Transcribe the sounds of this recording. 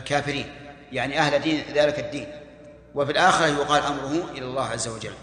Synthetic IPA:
lkaːfɪɾiːn | jaʕniʔahlad̪iːnðaːlɪkad̪ːiːn | wɪfilʔaːxɪɾɑhjʊqɑːlʔamɾˤʊhʊʔɪlalˤːaːhʕazːawad͡ʒa̰lː

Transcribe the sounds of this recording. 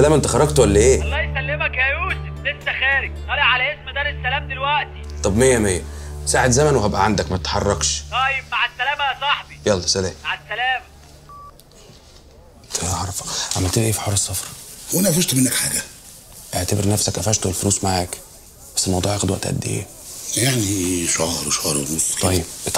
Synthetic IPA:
ælæːmʔent̪æxɑɾˤːɑɡt̪wælːæʔeːɑlːɑːjsælːemækhæjuːseblesːæxæːɾeɡ̚t̪ˤɑːleʕalæʔesmd̪æːɾesːælæːmd̪elwæʔt̪it̪ˤɑbmejːæmejːæsaːʕet̪zæmænwehæbʔæʕand̪ækmæt̪et̪ħɑrˤːɑɡʃt̪ˤæːjebmaʕesːælæːmæsˤɑħbijɑlˤːɑsælæːmaʕesːælæːmæ | t̪eʕɑɾˤɑfɑ̥kʕamælt̪elʔeːfiħoːɾˤesˤːɑfɾˤwʔænæfuʃt̪menːækħaːɡæ | ʔeʕt̪æbeɾnæfsækʔæfæʃt̪oelfonuːsmaʕaːk | bæsːelmɑwd̪ˤuːʕæxed̪wæʔt̪ʔæ̰d̪ːḭʔḛː | jaʕniʃɑɾˤweʃɑɾˤwenosˤɑjːeb̚ʔt̪

